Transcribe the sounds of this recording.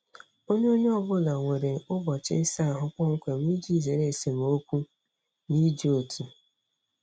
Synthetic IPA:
o˦ɲe˦o˦ɲe˦ɔ˦bʊ˦la˨ŋʷe˨ɾe˨ʊ˦bɔ˨t͡ʃɪ˦sa˦a˨ɦʊ˦kʷɔ˦ŋ̩˦kʷe˨m˦i˦d͡ʒi˦˨ze˨ɾe˦˨se˨m˨o˦kʷu˦ | ni˦d͡ʒi˦o˨tʰi˨

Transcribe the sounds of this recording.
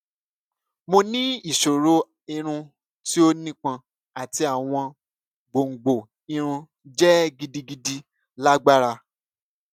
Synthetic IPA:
mo˧nĩ˦i˦˨ʃo˨ɾo˨˦ | i˧ɾ̃ũ˧ | ti˦o˦nĩ˦k͡pã˧ | a˨ti˧a˨w̃ɔ̃˧ | ɡ͡bo˨ŋ̩˨ɡ͡bo˨ | i˧ɾ̃ũ˧ | d͡ʒɛ˦ɡi˧di˧ɡi˧di˦ | la˦ɡ͡ba˦ɾa˧

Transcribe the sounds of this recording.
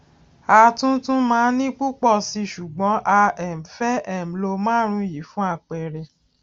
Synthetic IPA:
a˧tũ˦tũ˦mãː˦nĩ˦k͡pu˦k͡pɔ˦˨si˧ʃu˨ɡ͡bɔ̃˨˦ʔa˧ɛ˨m̩˨fɛ˦ɛ˨m̩˨lo˧mãː˦ɾ̃ũ˧˦ji˨˦fũ˦a˦˨k͡pɛ˨ɾɛ˧

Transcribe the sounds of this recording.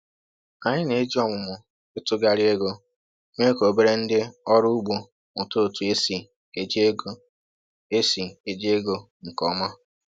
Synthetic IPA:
a˨ɲɪ˦ne˨e˦d͡ʒi˦ɔ˦ŋʊ˨mʊ˨ | e˦tʊ˦ɡa˨ɾɪ˦e˦ɡo˦ | ŋʷe˦ko˨be˦ɾe˦n̩˦dɪ˦ɔ˦ɾʊ˦u˦ɡ͡bo˨ | mʷʊ˨to˦o˨tu˨e˦si˨ | e˨d͡ʒe˦ɡ | e˦si˨e˨d͡ʒi˦e˦ɡo˦ | ŋ̩˨kɔ˨ma˦

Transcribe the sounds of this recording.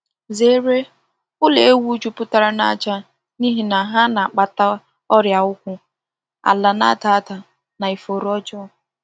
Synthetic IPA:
ze˦ɾe˦ | ʊ˦le˨e˦wu˦t͡ʃu˦pʊ˦ta˨ɾa˦na˦˨t͡ʃa˦ | ni˦ɦi˨na˨ɦa˦na˨k͡pa˨ta˦ | ɔ˦ɾja˨ʊ˦kʷʊ˦ | a̰˨la˨na̰˦ta˨˦ta˨ | na˨i˨fo˨ɾɔ˦t͡ʃɔ˦˨

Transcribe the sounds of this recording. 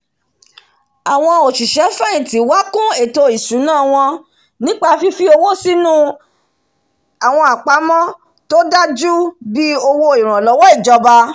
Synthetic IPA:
a˨w̃ɔ̃˧o˨ʃi˨ʃɛ˨˦fɛ˦ĩ˨ti˨˦wa˦kũ˦e˨to˧i˨su˨˦nãː˦˨w̃ɔ̃˧ | nĩ˨˦k͡pa˦˧fi˧fi˦o˧wo˦˨si˦nũ˦ | a˨w̃ɔ̃˧a˨k͡pa˨˦mɔ̃˦ | to˦da˦d͡ʒu˦bi˦o˧wo˧i˨ɾ̃ã˨lɔ˨˦wɔ˦i˦˨d͡ʒɔ˧ba˧

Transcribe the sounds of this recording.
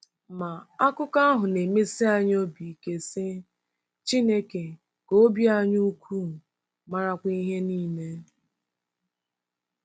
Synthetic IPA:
ma˨a˦kʊ˦ka˦ɦʊ˨ne˨me˦si˦a˦ɲ˦o˦bi˨ke˨sɪ˦ | t͡ʃi˦ne˦ke˨ | ko˦bji˦a˦ɲu˦u˦kʰʷu˦˨ | ma˦ɾa˦kʷi˦ɦe˦niː˦me˦

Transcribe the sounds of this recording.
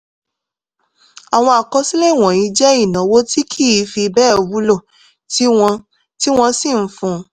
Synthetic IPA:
a˨w̃ɔ̃˧a˨kɔ˨˧si˦le˦i˨w̃ɔ̃˨ĩ˨˧˦d͡ʒɛ˦i˦˨nã˨˦wo˦ti˦kʰi˦˨˦fi˧bɛː˦˨o˧wu˦lo˦˨ | ti˦wɔ̃˧ | ti˦w̃ɔ̃˧si˦˨n̩˨˦fũ˧˦

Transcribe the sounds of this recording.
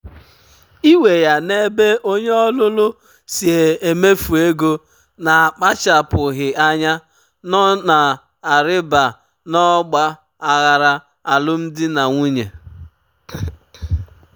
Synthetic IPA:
i˦we˨ja˨ne˦be˦ʔo˦ɲe˦ɔ˦lʊ˦lʊ˦ | si˨e˨e˨me˦fu˨e˦ɡo˦ | na˨a˨k͡pa˦t͡ʃa˨pʊ˨ɣɪ˨ʔa˦ɲa˦ | nɔ˦na˨ | a˨ɾɪ˦ba˨ | nɔ˦ɡ͡ba˦ | a˨ɣa˨ɾa˦ | a˨lʊ˦m̩˦dɪ˦na˨ŋʷu˦ɲe˨

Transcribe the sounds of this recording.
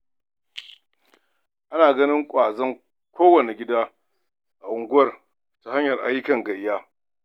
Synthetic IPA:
ʔa˦naː˨ɡɐ˦nɪ˦ŋkʷʼaː˨zɐ˦ŋ | kʷʰoː˦wɐ˨ne˨ɡʲɪ˦daː˦ | ʔa˨ʔʊ˨ŋɡʊ˦ɐ˦r | ta˨ha˦ɲjɐ˨rʔa̰˦jɪ˦kɐ˨ŋɡɐ˨jjːaː˦

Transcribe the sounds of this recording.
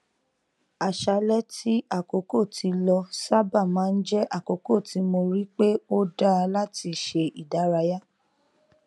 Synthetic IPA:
a˨ʃa˧˦lɛ˦ti˦ʔa˦˨ko˨˦ko˦˨tʰi˧lɔ˧sa˦ba˦˨mãː˨˦n̩˦d͡ʒɛ˦ʔa˦˨ko˨ko˦˨ti˨˦mo˧ɾi˦k͡pe˦o˦da˦˧la˦ti˧ʃe˧ʔi˨da˨˦ɾa˧˦ja˦

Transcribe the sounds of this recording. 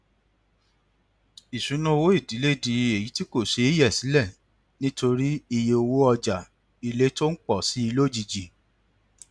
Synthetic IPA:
i˨ʃũ˨˦nũ˦o˧wo˦i˦˨di˨˦le˦˨di˧˦e˨ji˨˦ti˦ko˦˨ʃe˧i˦jɛ˦˨si˨˦lɛ˦˨ | nĩ˦to˧ɾi˦i˧je˧o˧wo˦ɔ˧d͡ʒa˨ | i˧le˦to˦n̩˦k͡pɔ˦˨si˨˦i˧lo˦˨d͡ʒi˧˨d͡ʒi˨

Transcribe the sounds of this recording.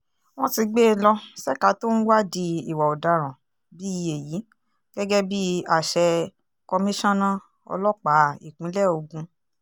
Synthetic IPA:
w̃ɔ̃˦ti˧ɡ͡be˦˧lɔ˧sɛ˦˨ka˨˦to˦ñ̩˦wa˦di˧i˨wa˨ɔ˨da˨˦ɾ̃ã˨ | bi˦i˧e˨ji˨˦ | ɡ̥ɛ˦ɡɛ˦bi˦a˦˨ʃɛ˧ | kɔ˧mĩ˦ʃɔ̃˦nã˦ | ɔ̰˧lɔ˦k͡pa˨˦i˨k͡pĩ˨˦lɛ˦˨o˧ɡũ˧

